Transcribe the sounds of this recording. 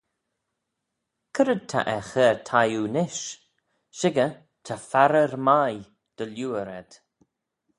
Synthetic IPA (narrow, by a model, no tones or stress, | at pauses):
kʰəɾəd̪̚t̪ʰa̰ʔɛxɛːɹt̪ʰajuːnɪʃ | ʃɪɡə | t̪ʰafaɾəɾmaj | d̪̥əljuːəɾɛd̪̥